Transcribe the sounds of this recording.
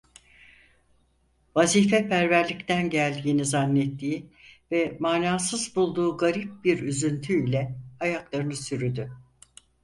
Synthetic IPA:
vaziːfɛpæɾvæɾlʲict̪ʰænɟælʲd̪iːnizanːɛt̪ʰːiːvɛmaːnaːsɯzbulˠd̪uːɡaɾip̚biɾyzynt̪ʰyilʲɛajaklˠaɾɯnɯsyɾyd̪y

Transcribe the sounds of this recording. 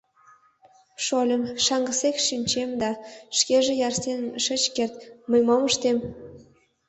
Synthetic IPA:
ʃolʲə̆mʃɑŋɡəsekʃynʲt͡ɕemd̪ɑʃkeʒĕjɑrstenʃət͡ɕkert̪məjmoməʃt̪em

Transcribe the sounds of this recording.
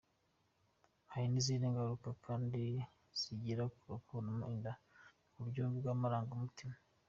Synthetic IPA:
haɾiniziniŋɡaɾukakʰaːndi | z̥iɟiɾakuɾokonomuʔinda | kuɾɟoːviɡwamaɾaːŋɡumutima

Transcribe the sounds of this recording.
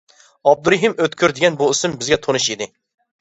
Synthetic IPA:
ɑb̚d̪uɾɨɦimøt̪kʲʰyɾd̪ɪɡʲɛnbuɪsɪmbɪzɡʲɛt̪ʰonuʃid̪ɪ

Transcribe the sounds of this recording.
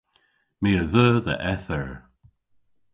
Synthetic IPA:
meːəðəːðə̰ʔɛθəɹ

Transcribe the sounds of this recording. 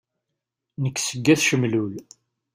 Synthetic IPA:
nəkːsəɡːæθʃəmlul

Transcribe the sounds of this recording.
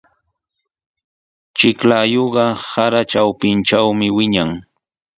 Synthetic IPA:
t͡ʃɪklaːjoɢɑsaɾat͡ʃawpɪnʈ͡ʂawmɪwɪɲaŋ

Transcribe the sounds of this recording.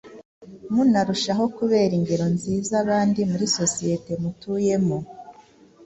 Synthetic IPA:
munaɾuʃaɦo̞kuβe̞ːɾiɲɡeɾo̞nziːzaβaːndimuɾiso̞sije̞te̞mutuje̞mo

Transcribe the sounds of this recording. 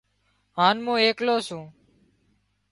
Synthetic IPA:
ɦaːnmũːeːkloːsũː

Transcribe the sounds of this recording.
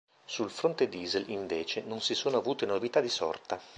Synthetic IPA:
sulfɾont̪ed̪iːzeliɱveːt͡ʃenonsisoːnoavuːt̪enovit̪ad̪isɔ̰rt̪a

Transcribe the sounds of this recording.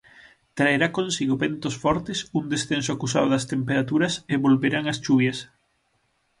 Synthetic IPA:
t̪ɾaeɾakõnsiɣoβent̪osfɔɾt̪esuŋd̪esθensoakusaðoðɐst̪empeɾat̪uɾɐseβolβeɾaŋɐsʃuβjɐs

